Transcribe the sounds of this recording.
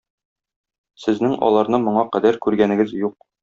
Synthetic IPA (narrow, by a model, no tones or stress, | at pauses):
sɘ̆znɘŋʔɒ̰lˠɑɾnɤmŏɴɑqæd̪æɾkʉɾɡænɘ̆ɡɘzjuq̚